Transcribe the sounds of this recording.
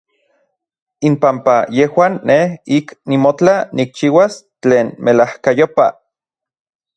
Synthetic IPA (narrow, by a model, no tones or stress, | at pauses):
impampajehwaːnːehiknimot͡ɬanik̚t͡ʃiːwas | t͡ɬeːnmelahkajopa̰